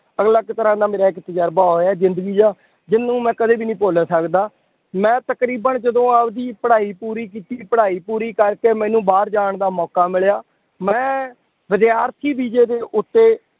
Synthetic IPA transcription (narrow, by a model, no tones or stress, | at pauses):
əɡləkːt̪əɾãːd̪aːmeːɾaːɪkt̪əd͡ʒəɾbaːɦoːɛːzɪnd̪əɡiːd̪aː | d͡ʒɪnːũːmɛ̃ːkəd̪eːbiːnĩːpoːlaːsəkd̪aː | mɛ̃ːt̪əkɾiːbənd͡ʒəd̪õːəpd̪iːpəɽaːiːpuːɾiːk̬iːt̪iːpəɽaːiːpuːɾiːkəɾkeːmɛ̃ːnũːbaːɾd͡ʒaːɳd̪aːmɔːkaːmɪɭjaː | mɛ̃ː | ʋɪd̪jaːɾt̪ʰiːbiːd͡ʒeːd̪eːʔʊt̪ːeː